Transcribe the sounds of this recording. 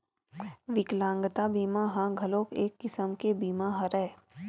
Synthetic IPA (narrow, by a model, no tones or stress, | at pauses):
ʋɪklãːŋɡt̪abiːmaɦãɡʱəlõːkeːkːɪsəmkebiːmaɦɐɾɛː